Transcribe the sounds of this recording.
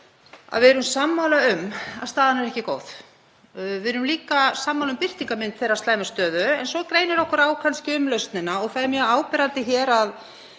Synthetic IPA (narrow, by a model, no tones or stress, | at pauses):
a̰ðvɪɛɾʏmsamːawlaʏma̰ðst̪aːðanɛɾɛhcɪkoːwθ | vɪðɾʏmliːkasaːmːawlʏmpɪr̥t̪iŋkamɪnt̪θejrːast̪laːjmɪst̪œːðʏɛnsɔkɾeːjnɪɾɔhkʏɾaːwkʰanscɪʏmlœɥst̪nɪnaɔɣθaðɛɾmjœaːwpɛɾant̪ɪçɛːɾað